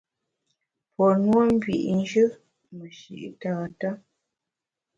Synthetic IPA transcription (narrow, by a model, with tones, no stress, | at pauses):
pʰɔ˨nwo˦m̩˦bɥḭ˨ʔn˦d͡ʒə˦ | mə˨ʃḭ˨ʔtaː˨ta˦